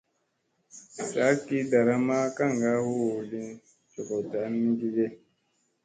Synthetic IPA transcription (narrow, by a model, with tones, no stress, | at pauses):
sa˨˦ki˦da˨ɾa˦ma˦ka˦˨ŋɡa˦hu˦wu˨li˦n | t͡ʃo˨kɔ˨ta˨˦nːi˦ɡi˦ɡe˦